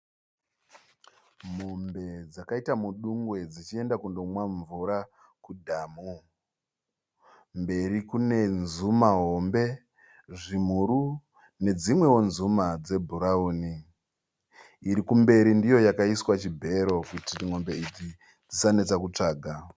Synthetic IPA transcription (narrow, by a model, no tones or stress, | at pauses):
mo̞mbe̞d͡zakaitamuɗuŋɡwe̞d͡zit͡ʃie̞ndakundo̞mwaɱvuɾa | kudʱaːmu | mbe̞ɾikune̞nzumaɦo̞mbe̞ | ʐim̤uɾu | ne̞d͡zimwe̞wo̞nzumad͡ze̞bʱuɾauːni | ɾikumbe̞ɾindijo̞jakaiswat͡ʃibʱe̞ɾo̞kutiŋo̞mbe̞it͡ʃi | d͡zisane̞t͡sakut͡ʂaːɡʱa